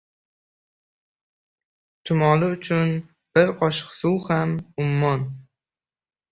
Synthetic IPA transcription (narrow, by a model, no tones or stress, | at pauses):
t͡ʃʰʊmɒlˠɪʊt͡ʃʰʊn | b̥ɪɾqʰɒʃqsʊwhamʊmːɒn